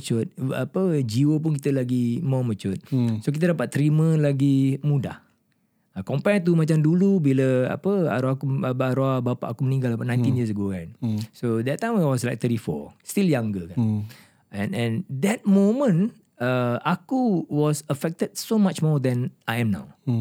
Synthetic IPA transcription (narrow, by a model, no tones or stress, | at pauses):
t͡ʃʊt̪̚a̰pəd͡ʒiwəp̬ʊnk̬it̪əlaɡimɔmət͡ʃʊt̪̚sok̬it̪ədapat̪ːəɾimə̃laɡimuda̰h | kɔmpɛt̪̬umat͡ʃamdulubiləa̰pəa̰ɾuaakuaɾɔabapa̰ʔakumənĩŋɡalapaʔnãj̃nt̪injəs̬əɡokansod̪ɛtːãj̃mawɔslajk̚t̪əɾifɔ̰st̪iljaŋɡəkan | ɛ̃nɛ̃nd̪ɛt̪̚mõmə̃n | əakuwɔsəfɛk̚təd̚somat͡ʃmɔd̪ɛ̃nʔajɛ̃mna̰w